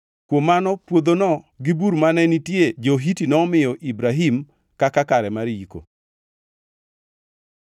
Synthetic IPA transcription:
kwomːanɔpwod̪onɔ | ɡɪbuɾmanɛnitjed͡ʒoɦitinɔmɪjɔʔibɾaɦim | kakakaɾɛmaɾjiko̰

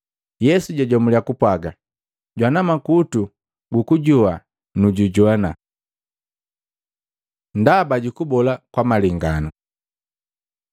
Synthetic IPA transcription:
jɛsuɟaɟɔmuliakupwaɡa | ɟwanamakutu | ɡukuɟua | nuɟuɟwana | ndabaɟukubɔlakwamaliŋɡanu

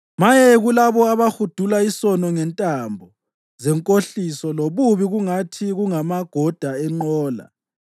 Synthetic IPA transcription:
majɛɣulaβɔaβaxud̥ʱulaisɔnɔŋɛntʼambʱɔ | zɛŋkʼoɬisɔloβuβiɣuŋatʰiɣuŋamaɡ̥ʱɔd̥ʱaɛŋ͡ǃɔːla̰

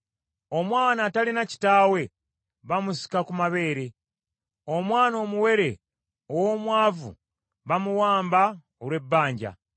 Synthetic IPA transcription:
o̞mwaːnaːtalinaci̥taːwe̞ | βamusi̥kakumaβe̞ːɾe̞ | o̞mwaːno̞ːmuwe̞ɾe̞ | owo̞mwaːvṵ | βamuwaːmba | olwe̞bːaːɲɟa̰

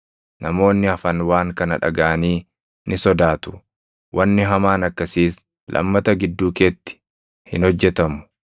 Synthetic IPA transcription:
nɐmo̞ːnːɪɐfɐnwaːŋkɐnɐᶑɐ̰ɡaʔɐniː | nʔɪsɔd̪aːt̪ʊ̥ | wʔɐnːɪɦɐmaːnɐkːɐsiːs | lʔɐ̰mːɐt̪ɐɡɪd̪ːuːkeːt̪ːɪ̥ | hɪnhɔd͡ʒːɛt̪ɐmʊ̥

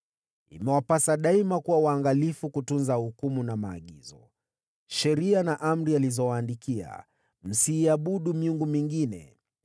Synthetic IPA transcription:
ḭmɛwapasaɗaimakuwawaːŋɡalifukutunzahukumunamaːɠizɔ | ʃɛɾianaʔam̩ɾializɔwaːndikia̰ | m̩siːaɓuɗumiuŋɡumiŋɡinɛ̰

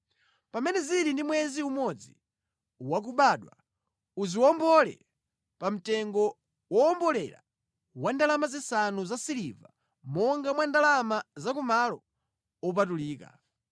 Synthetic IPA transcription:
pamɛnɛziɾindimwɛziumɔd͡zi | wak̬uɓaɗwa̰ | uziwɔmbɔlɛ̰ | pam̩tɛŋɡɔ | wɔɔmbɔlɛɾa̰ | wandalamazisanuzasiliva | mɔŋɡamwandalamazak̬umalɔ | ɔp̬atuliːka̰

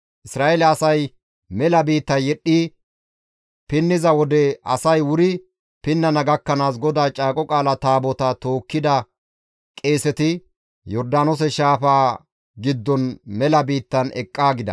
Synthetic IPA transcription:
ʔɪsɾaːʔelɛɐsɐj | mɛlɐbiːt̪ːɐnjɛɗːi | pɪnːɪzɐwɔd̪ɛɐ̰sɐjwʊɾɪ | pɪnːɐnɐɡɐkːɐnaːs̬ɡɔd̪aːt͡ʃʼaːkʼɔkʼaːlɐt̪aːbɔt̪ɐt̪o̞ːkːɪd̪ɐ | kʼe̞ːsɛt̪ɪ | jɔɾd̪aːnɔs̬ɛʃaːfaː | ɡɪd̪ːɔnmɛlɐbiːt̪ːɐnɛ̰kʼːaːɡɪd̪ɐ̰

